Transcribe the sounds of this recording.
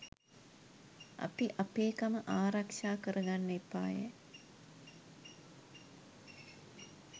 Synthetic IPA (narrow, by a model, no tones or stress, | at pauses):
a̰piʔapeːkaməʔaːɾakʃaːkəɾəɡanːipːa̰ːjə̰